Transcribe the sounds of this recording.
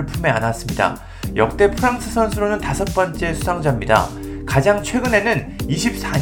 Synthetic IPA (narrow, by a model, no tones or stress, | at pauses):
ɭpʰume̞a̰nas͈ɯmɲida̰ | jʌk̚t͈e̞pʰɯɾaŋsʰɯsʰʌnsʰɯɾonɯntasʰʌt̚p͈ʌnt͡ɕ͈e̞sʰusʰaŋd͡ʑamɲida̰ | kad͡ʑaŋt͡ɕʰwe̞ɡɯne̞nɯn | iɕʰip̚s͈a